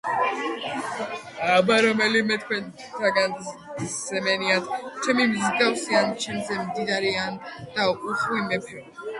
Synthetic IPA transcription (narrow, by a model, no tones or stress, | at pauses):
abaɾɔmɛlimɛt̪̚ʰkʰwɛnʰ | t̪ʰaɡan | ɛmɛniat̪t͡ʃʰɛmimzɡ̪awsiant͡ʃʰɛmzɛmd̪id̪aɾiand̪̥auχwimɛp